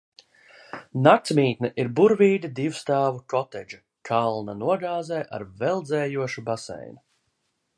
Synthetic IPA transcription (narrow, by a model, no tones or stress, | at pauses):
nakt̪smiːt̪nɛʔiɾbuɾviːd̪ʲid̪iwst̪aːvukɔt̪ɛd͡ʒu | kʰalˠnanuɔɡaːzɛjʔa̰ɾvɛlˠd̪zɛːjuɔʃubasɛ̰jnu